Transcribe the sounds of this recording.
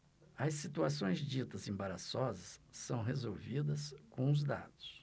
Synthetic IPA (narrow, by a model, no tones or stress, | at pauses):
ɐsit̪uasõj̃zd͡ʒit̪ɐzẽbaɾasɔzɐsːɐ̃w̃ɦezowvid̪ɐskõʊzd̪a̰d̪ʊ̥s